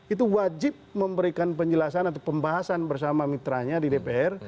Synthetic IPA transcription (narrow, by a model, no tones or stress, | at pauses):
it̪uwad͡ʒɪp̚məmbəɾikanpəɲd͡ʒəlasanat̪̬awpəmbaɦasanbərsamamit̪ɾaɲadidepeɛr